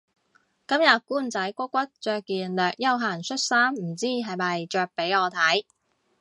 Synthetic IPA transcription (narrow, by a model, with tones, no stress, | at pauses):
kɐ˥mjɐ˨t̚kuː˥˩nt͡sɐ˨˥jkʷɔ˥kʷɐ˥t̚t͡ʃœː˧kːiː˨nlœː˨˩k̚jɐ˥wɦaː˨˩nsʰɵ˥t̚saː˥mm̩˨˩t͡siː˥˩ɦɐ˨jmɐ˨jt͡ʃœː˧k̚pe˨˥jɔː˨˧t̪ʰɐ˨˥j